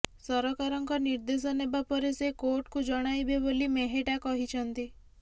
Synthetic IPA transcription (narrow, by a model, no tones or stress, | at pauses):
sɔɾɔkaɾɔŋkɔniɾd̪es̬ɔnebapɔɾesekoɾʈkud͡ʒɔɽ̃ajbebolimeɦeʈakɔɦit͡ʃʰɔnt̪i